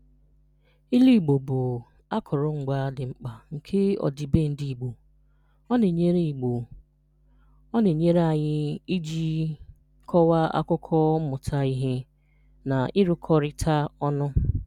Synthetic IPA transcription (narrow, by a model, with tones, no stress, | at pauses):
i˦li˦˨ɡ͡bo˨bʊ˨ | a˦kʰʊ˨ɾʊ˦ŋ͡m̩˨ɡ͡ba˦dɪ˨ŋ͡m̩˦k͡pa˨ŋ̩˨kʰe˦ɔ̰˨di˨be˦˨n̩˦di˨i˨ɡ͡bo˨ | ɔ˦ne˨ɲe˦ɾe˦i˨ɡ͡bo˨ | ɔ˦ne˨ɲe˦ɾa˨ɲɪ˦i˦d͡ʒi˦ | kʰɔ˦wa˦a̰˦kʊ˦kʰɔ˦mʊ˨tʰa˦i˦ɦe˦ | na˨ʔɪ˦ɾʊ˦kʰɔ˦ɾɪ˦tʰa˦ɔ˦nʊ˦